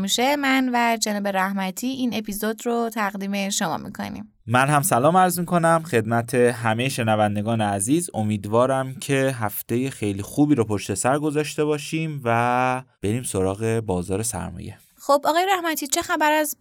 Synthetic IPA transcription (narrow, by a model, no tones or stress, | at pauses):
miʃe̞mænvæd͡ʒenɒːbe̞ɾæhmæt̪ʰiːʔiːne̞pʰizod̪rot̪ʰæɣd̪iːme̞ʃo̞mɒ̰ːmḭkʰo̞̰nḭm | mænhæmsælɒːmæɾzmiːkʰo̞næmxe̞d̪̚mæt̪ʰe̞ɦæmejeʃe̞nævænd̪eɡɒːneæziːzo̞miːd̪vɒːɾæmcʰe̞ɦæft̪e̞je̞xejliːxuːbiːɾopʰo̞ʃt̪e̞sæɾɡo̞zɒːʃt̪e̞βɒːʃiːmvæb̥e̞ɾiːmso̞ɾɒːɣe̞bɒːzɒːɾe̞sæ̰ɾmɒ̰ːje̞̰ | xobɒɣɒːjeɾæhmæt̪ʰiːt͡ʃʰe̞xæbæɾæz